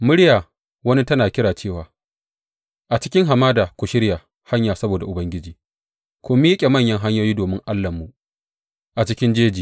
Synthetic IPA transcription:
mʊ˦ɽjaː˨ | wɐ˦ni˦tɐ˦naː˨kʲɪ˦ɽaː˨t͡ʃeː˦˨waː˨ | ʔa˨t͡ʃɪ̥˦kʲɪ˦ŋɦa˨maː˦daː˨kʷu˨ʃɪ˦ɽja˨ | ha˦ɲjaː˨sɐ˦boː˨da˨ʔʊ˨bɐ˦ŋɡʲɪ˦d͡ʒiː˨ | kʷʊ˦mi˦kʲʼe˨mɐ˦˨ɲjɐ˦ŋɦa˦ɲjoː˦jiː˦doː˨mɪ˦ŋʔa˦lːɐ˨mːu˨ | ʔa˨t͡ʃɪ˦kʲɪ˦nd͡ʒeː˦d͡ʒiː˨

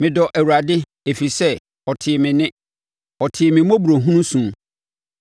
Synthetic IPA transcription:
mɪ̃˨dɔ˨ʔæ˨wu˨ɾa˨dɪ˦ | e˨fi˨sɛ˦ | ɔ˨tʰɪ˨mɪ̃˨nɪ̃˦ | ɔ˨tʰɪ˨mɪ̃˨mõ˦bu˨ɾo˨ɦũ˦nũ˦sũ˦m

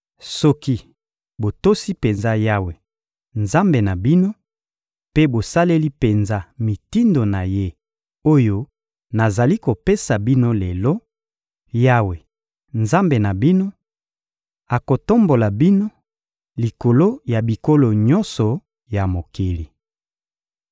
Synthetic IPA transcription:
sɔ˦ki˦ | bo˨to˦si˦pe˨nza˦ja˦we˨ | nza˦mbe˨na˨bi˦no˦ | pe˦bo˨sa˦le˦li˦pe˨nza˦mi˨ti˦ndo˨na˨je˦ | o˦jo˦ | na˨za˨li˦ko˨pe˦sa˨bi˦no˦le˨lɔ˦ | ja˦we˨ | nza˦mbe˨na˨bi˦no˦ | a˨ko˨to˦mbo˨la˨bi˦no˦ | li˨ko˨lo˦ja˨bi˨ko˦lo˨ɲɔ˦nsɔ˨ | ja˨mo˨ke˨li˨

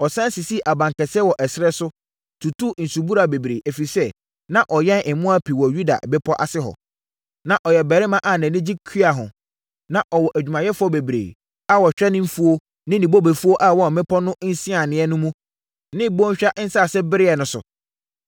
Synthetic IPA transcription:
ɔ˨sã˦n˦si˨si˦˨ʔa˨bã˨ŋkɛ˨sɛ˦wɔ˨ʔɛ˨sɾɛ˦sʊ˦ | tʰu˨tʰu˦˨n̩˨su˨bu˦ɾa˨be˨bɾḛ˨ʔæ˨fi˨sɛ˦ | nã˦ʔɔ˨jɛ̃˦nɪ˨mʊ̃˦a˦pʰi˨wɔ˨ju˦da̰˨bɛ˦pʰɔ˦ʔa̰˨sɪ˦ɦɔ̰˨ | nã˨ʔɔ˨jɛ˨bɛ˨ɾɪ˦mã˦ʔa˨nɛ̃˨nɪ̃˦d͡ʑi˦kʰi˦a˨ɦʊ̰̃˨ | nã˨ʔɔ˨wɔ˨ʔæ˨d͡ʑᶣu˨mã˨jɛ˦fʊ˦ɔ˦be˨bɾḛː˨ | a˦wɔ˨ɕᶣɾɛ˦nɪ̃˦m̩˦fu˦o˦ | nɪ̃˦nĩ˨bo˦be˨fu˦o˦ʔa˦˨wɔ˦˨mɪ̃˦pʰɔ˦nʊ̃˦n̩˦sĩ˦a˨nɪ̃˨˦ɛ˦nʊ̃˦mũ˦ | nɪ̃˦bɔ̃˦ɕᶣa˦ʔn̩˦sa˦˨sɛ˦bɪ˦ɾɪ˦ɛ˨nʊ̃˨sʊ̰˨

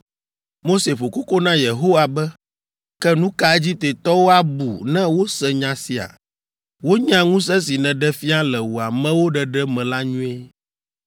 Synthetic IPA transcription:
mo˦se˨ɸo˨ku˦ko˦nã˦je˨ɦo˦wa˨bɛ˦ | kɛ˦nũ˦ka˦ɛ˦d͡ʑi˦t̪e˨t̪ɔ˦wo˦a˦bu˨nɛ̃˦wo˦sɛ˨ɲã˨si˨a̰˨ | wo˦ɲã˦ŋũ˦s̬ɛ˦s̬i˨nɛ̃˨ɖɛ˦fi˦a˦lɛ˨wo˨a˨mɛ̃˦wo˦ɖɛ˨ɖɛ˦mɛ̃˨la˦ɲũ˦ɛ˦

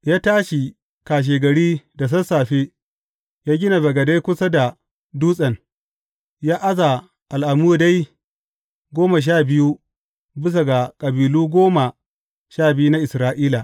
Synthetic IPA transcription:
jaː˦taː˦ʃi˨ | kaː˨ʃ̬eː˨ɡɐ˨ɽiː˦da˨s̬ɐ˦saː˨ɸe˦ | jaː˦ɡʲɪ˦na˨ɡɐ˨ɡa˨da˦jkʷʊ˦sa˦da˨ | duː˦sʼɐ˨n | jaː˦ʔa˦za˨ | ʔa˨lʔa˨muː˦˨da˦j | ɡʷoː˦ma˨ʃ̬aː˦˨bɪ˦ju˦ | bɪ˦s̬a˨ɡa˨kʼɐ˨biː˨luː˦ɡʷoː˦ma˨ | ʃaː˦˨bɪ˦ju˦na˦ʔɪ˨sɾaː˦ʔiː˦la˨

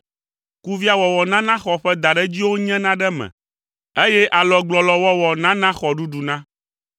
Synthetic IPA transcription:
ku˦vi˦a˨wɔ˨wɔ˨nã˦nã˦xɔ˨ɸɛ˦d̪a˨ɖɛ˦d͡ʑi˦wo˦ɲɛ̃˦nã˦ɖɛ˦mɛ̰̃˨ | e˦jɛ˦ʔa˨lɔ˨ɡ͡blɔ˨lɔ˨wɔ˦wɔ˨nã˦nã˦xɔ˨ɖu˦ɖu˨nã˦

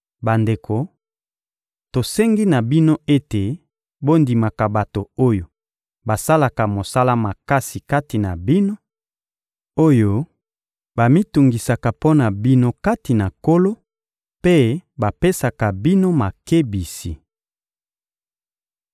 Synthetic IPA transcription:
ba˨nde˨kʰo˨ | to˨sɛ˦ŋɡi˦na˨bi˦no˦e˦te˨ | bo˦ndi˨ma˨ka˨ba˨to˨o˦jo˨ | ba˨sa˦la˨ka˨mo˨sa˦la˦ma˨ka˦si˨ka˦ti˨na̰˨bi˦no˦ | o˦jo˦ | ba˨mi˦tu˨ŋɡi˨sa˨ka˨po˦na˨bi˦no˦ka˦ti˨na˨ko˦lo˦ | pe˦ba˨pe˦sa˨ka˨bi˦no˦ma˨ke˦bi˨si˨

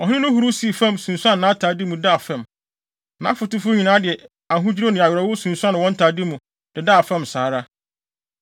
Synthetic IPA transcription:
ɔ˨hʊ̃˦nʊ̃˦nʊ̃˦ɦu˨ɾu˦si˨˦˨fɛ̃˦˨msũ˨n̩˨su˦ã˦nː˨ã˨˦tʰaː˨dɪ˦mũ˨da˦˨fɛ̃˨m | nã̰˨˦fʊ˨tɪ˦fʊ˦ɲĩ˨nãː˦dɪ˨ɛ˨ | a˨ɦʊ̃˦d͡ʑi˦ɾo˦nɪ̃˨a˨ɥᶣɾɔ˨wʊ˦sũ˨n̩˨su˦ã˦nɪ̃˨wɔ̃˦n̩˦tʰa˨dɪ˦mũ˨ | d̥ɪ˨da˦˨fɛ̃˦˨msaː˨˦ɾa˦

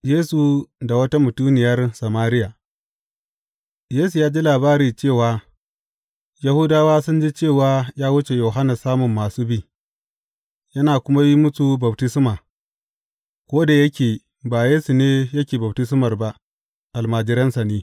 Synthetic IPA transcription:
jeː˦su˨da˨wɐ˦ta˦mʊ˨tuː˦nɪ˨jɐ˦rsa˨maː˦ɾɪ˦jaː˨ | jeː˦su˨jaː˦d͡ʒi˦laː˨baː˦ɾiː˨t͡ʃeː˦˨waː˦ | ja˨hu˦daː˦waː˦sʊ˦nd͡ʒi˦t͡ʃeː˦˨waː˦jaː˦wʊ˦t͡ʃe˨jo˨ɦa˦na˨saː˦mʊ˨mːaː˨suː˦biː˦ | jɐ˦naː˨kʷʊ˦ma˦ji˦mʊ˦su˦bɐ˨btɪ˦sɪ˦maː˨ | kʷoː˦da˨jɐ˦kʲeː˨ | baː˨jeː˦su˨neː˦jɐ˦kʲeː˨bɐ˨btɪ˦sɪ˦mɐ˨rba˦ʔ | ʔa˨lmaː˨d͡ʒɪ˦ɾɐ˦nsa˨neː˦

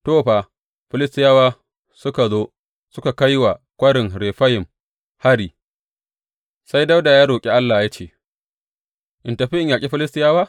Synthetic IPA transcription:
toː˦˨ɸaː˨ | ɸɪ˦lɪ˦stɪ˦jaː˦waː˦ | sʊ˦ka˨zoː˦ | sʊ˦ka˨ka˦jwa˨kʷɐ˦ɽɪ˨ŋɾeː˨ɸa˦jɪ˨m | ha˦ɽiː˨ | sa˦jda˦wda˨jaː˦ɽoː˨kʲʼi˦ʔa˦lːaː˨ja˦t͡ʃeː˨ | ʔɪ˨ntɐ˨ɸi˦ʔɪ˦˨ɲjaː˨kʲʼi˦ɸɪ˦lɪ˦stɪ˦jaː˦waː˦

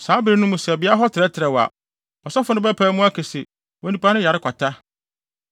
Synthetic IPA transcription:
saː˨˦bɪ˨ɾi˦nʊ̃˦mũ˨sɛ˨bɪ˦a˦ɦɔ˦tʰɪ˨ɾɛ˦tʰɪ˨ɾɛ˨wa̰˨ | ɔ˨sɔ˦fʊ˨nʊ̃˦bɛ˦pʰæ˨˦mʊ̃˦a˦kʰɛ˨sɪ˨ | wɔ̃˨nĩ˨pʰa˦nʊ̃˦ja˨ɾɪ˦kʷʰa˨tʰa˦

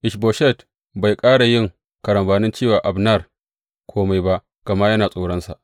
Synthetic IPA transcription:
ʔɪ˨ʃboː˨ʃɛ˦˨t | ba˨jkʼaː˦ɽa˨jɪ˦˨ŋ | kɐ˨ɽɐ˨mbaː˨nɪ˦nt͡ʃiː˦˨waː˨ʔa˨bna˦˨r | kʷʰoː˦ma˨jba˦ʔ | ɡ̥ɐ˨ma˦jɐ˦naː˨sʼoː˨˦ɽɐ˦nsa̰˨ʔ

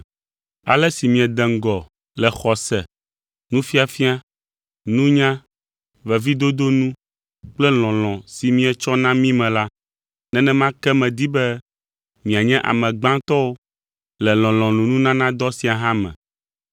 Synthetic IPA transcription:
a̰˨lɛ˦si˨mĩ˨ɛ˨d̪ɛ˨ŋ̩˨ɡɔ˨ | lɛ˨xɔ˨sɛ̰˨ | nũ˦fi˦a˨fi˦a˦ | nũ˦ɲã˦ | vɛ˨vi˦d̪o˦d̪o˦nũ˦ | k͡plɛ˦l̃ɔ̃˨l̃ɔ̃˨si˨mĩ˦ɛ˨t͡ʃɔ˦nã˦mĩ˦mɛ̃˨la˦ | nɛ̃˦nɛ̃˦mã˦kɛ˦mɛ̃˨d̪i˦bɛ˦ | mĩ˨a˨ɲɛ̃˦ʔa̰˨mɛ̃˨ɡ͡bã˦t̪ɔ˦wo˦ | lɛ˨l̃ɔ̃˨l̃ɔ̃˨nũ˨nũ˦nã˦nã˦d̪ɔ˦si˨a˨ɦã˦mɛ̰̃˨

